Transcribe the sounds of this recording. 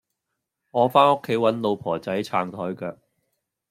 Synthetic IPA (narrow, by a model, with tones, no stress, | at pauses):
ŋɔː˨˧faː˥nʊ˥kʰːe˨˥jwɐ˨˧˥nlo˨˧wpʰɔː˨˩t͡sɐ˨˥jt͡sʰaː˨˧ŋt̪ʰɔː˨˥jkœː˧k̚